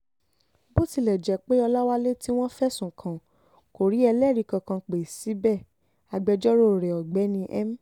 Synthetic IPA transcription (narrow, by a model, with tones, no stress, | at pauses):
bo˦ti˧˨lɛ˨d͡ʒɛ˨˦k͡pe˦ɔ˧la˦wa˦le˦ti˦w̃ɔ̃˦fɛ˦sũ˦˨kʰã˨ | ko˨ɾi˨˦ɛ˧lɛ˦˨ɾi˨˧kã˧kã˧k͡pe˨si˨˦bɛ˦˨ | a˧ɡ͡bɛ˧d͡ʒɔ˦ɾo˦˨ɾɛ˨ɔ˨ɡ͡bɛ˨˦nĩ˧ʔɛ̰˦m̩˦